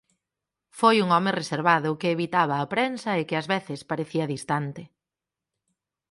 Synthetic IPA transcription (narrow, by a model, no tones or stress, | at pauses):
fojuŋɔmɪreseɾβaðʊkɪːβit̪aβ̞ɐːpɾensɐekɪɐzβeθɪspaɾeθiɐðist̪ant̪ɪ